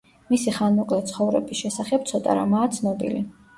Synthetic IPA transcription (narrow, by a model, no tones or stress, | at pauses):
misiχanmɔkʼlɛt̪sʰχɔvɾɛ̰bisʃɛsaχɛp̚t̪sʰɔt̪ʼa̰ɾa̰maːt̪sʰnɔbḭli